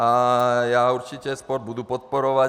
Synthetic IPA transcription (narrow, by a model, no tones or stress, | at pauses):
ajaːuɾt͡ʃicɛspɔɾd̪̚bud̪upɔt̪̚poɾɔʋa